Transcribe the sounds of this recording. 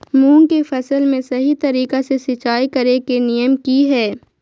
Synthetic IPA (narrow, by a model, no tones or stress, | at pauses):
muːŋkefɐsəlmẽsɐɦit̪ɐɾiːkasesɪt͡ʃaːikɐɾekenijəmkiɦɛː